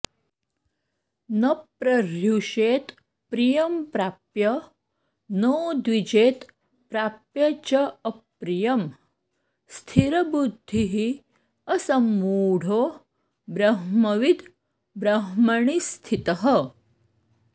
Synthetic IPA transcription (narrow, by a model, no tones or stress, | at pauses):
nɐpɾɐɾjuʂeːt̪ | pɾijɐmpɾapjɐ | nəd̪ʋid͡ʒeːt̪ | pɾapjɐt͡ʃɐɐpɾijɐm | st̪ʰiɾɐbud̪ʱːiɦi | ɐsɐmuːɽ̤ʱoː | bɾɐɦmɐʋid̪ | bɾɐɦmɐɳ̃ist̪ʰit̪ɐɦə